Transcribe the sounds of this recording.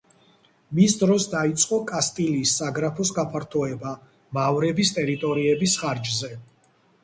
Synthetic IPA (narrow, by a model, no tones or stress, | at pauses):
misd̪ɾɔsd̪ait̪sʼqʼɔkʼast̪ʼiliːsːaɡɾapʰɔsɡapʰaɾt̪ʰɔɛba | mavɾɛbist̪ʼɛɾit̪ʼɔɾiɛbisχaɾd͡ʒzɛ